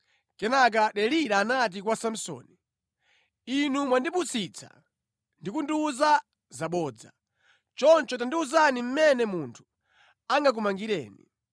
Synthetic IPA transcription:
kɛnak̬aɗɛliɗaːnat̬ikwasam̩sɔ̰ːni | inumwandipusit͡sʰa̰ | ndikunduza | zaɓɔːd͡za | t͡ʃɔnt͡ʃɔtandiuzanim̩mɛnɛmuntʰu̥ | aŋɡak̬umaŋɡiɾɛ̰ːni

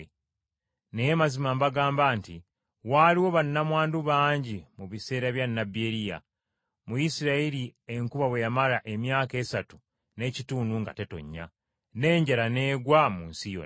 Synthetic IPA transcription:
ne̞jemazimambaɡaːmbaːnti | waːliwo̞βanːamwaːnduβaːɲɟimuβise̞ːɾaβjanːabieɾija̰ | mujisiɾaeɾie̞ŋkuβawe̞jamalaʔe̞mjaːke̞ːsatu | ne̞cituːnuŋɡa̰te̞to̞̰ɲːa̰ | ne̞ːɲɟaɾane̞ːɡwamunsijo̰

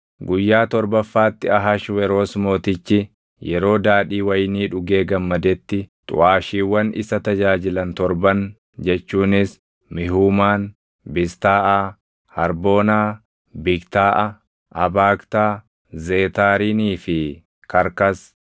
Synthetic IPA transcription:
ɡʊjːaːt̪ɔɾbɐfːaːt̪ːɪɐɦɐʃwɛɾoːsmo̞ːt̪ɪt͡ʃːɪ | jɛɾo̞ːd̪aːᶑiːwɐjniːᶑʊɡeːɡɐmːɐd̪ɛt̪ːɪt̪ʼʊ̰ʔaːʃiːwːɐnʔɪ̰sɐt̪ɐd͡ʒaːd͡ʒɪlɐnt̪ɔɾbɐn | d͡ʒɛt͡ʃːuːnɪs | mɪɦuːmaːn | bɪst̪aːʔɐ | hɐɾbo̞ːnaː | bɪkt̪aːʔɐ | ʔɐbaːkt̪aː | ze̞ːt̪aːɾiːniːfɪ | kɐɾkɐs

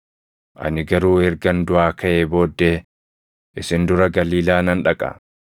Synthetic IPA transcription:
ʔɐ̰nɪɡɐɾuːɛɾɡɐnd̪ʊʔaːkʰɐʔebo̞ːd̪ːeː | ʔɪsɪnd̪ʊɾɐɡɐliːlaːnɐnᶑɐkʼɐ̰

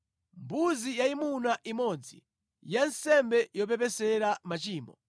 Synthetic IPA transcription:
mbuzijaimunaʔimɔd͡zḭ | jansɛmbɛjɔp̬ɛpɛsɛɾamat͡ʃiːmɔ

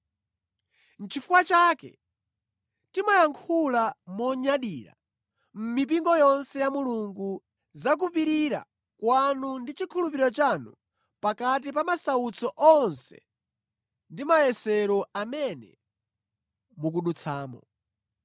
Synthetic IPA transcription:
n̩t͡ʃʰifuwat͡ʃaːkɛ̰ | timajaŋkʰulamɔɲaɗiːɾa̰ | m̩mipiŋɡɔjɔnsɛjamuluŋɡu | zak̬upiɾiɾa̰ | kwanundit͡ʃikʰulupiɾɔt͡ʃanṵ | pakat̬ipamasaut͡sʰɔʔɔnsɛ̰ | ndimajɛsɛɾɔamɛnɛ̰ | muk̬uɗut͡sʰaːmɔ

